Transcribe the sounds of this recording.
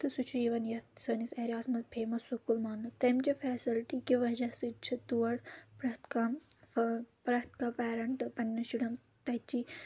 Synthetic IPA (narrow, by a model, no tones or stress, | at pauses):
t̪ɨsut͡ʃʰiʋɐnjɐt̪sɐniseːɾʲaːsmɐt̪pʰeːmɐsːukːulmaːnɐt̪ɐmt͡ʃɐfɛːsilʈikiʋɐd͡ʒɐsɨt͡ʃʰit̪uɐɽpɾɐt̪kɐ | pɾɐt̪kɐpɛːɾɐɳʈɨpɐnʲːɐʃiɽɐn | t̪ɐt͡ʃi